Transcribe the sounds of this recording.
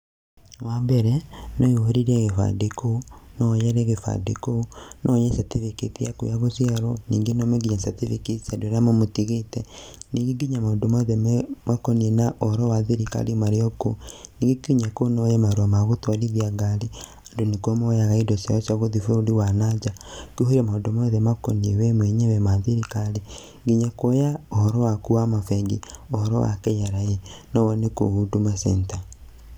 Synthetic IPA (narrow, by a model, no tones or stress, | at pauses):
wabɛɾɛnɔihoɾiɾɛɣefa̰dekonɔjɛɾɛɣefa̰dḛkonʔɔjɛsatifikitiakṵjaɣosiaɾɔniːŋɡenɔmeɡiɲasatifikisadweɾamomotiɣetɛniːŋɡeɡiɲamadomaðɛmmwakonienaʔɔɾɔwaðiɾika̰limaɾeokoniːɡekuɲakonojemaɾamaɣotwaliðiaɡaɾi | andonekomojaɣaidɔsjaɔsaɣoðifoɾoɾiwanad͡ʒakuɦeɾemaodomoðɛmako̰niewɛmweɲewɛmaðeɾikale | ŋɡiɲakojaohɔɾɔwakuamafɛɡeohɔɾɔ̰wa̰kɛɲaɾajenɔwɔneko̰hudumasɛnta